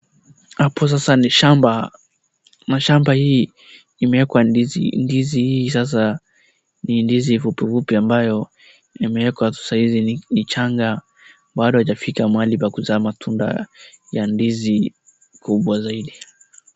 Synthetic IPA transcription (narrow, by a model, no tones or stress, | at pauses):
hapɔs̬asaʃamba | naʃambahiː | imɛwɛkwaizḭndizihiːsas̬a | nindizivupivupiambajɔ | imɛwɛkwatu̥sahizinit͡ʃaŋɡa | ɓaɗɔhat͡ʃafikamwalipakuzaːmatʰunda̰jandizi | kʰuɓwazaiɗi